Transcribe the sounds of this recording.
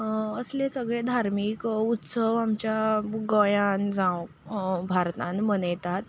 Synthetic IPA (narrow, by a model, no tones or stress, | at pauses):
əslesəɡɭẽd̪ʱaɾmiːkut̪səʋamt͡ɕjaɡəjãnd͡zãw | bʱaɾt̪ãnmənjt̪at̪